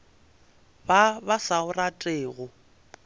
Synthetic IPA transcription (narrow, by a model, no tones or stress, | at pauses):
babasaʊratʼeːɣʊ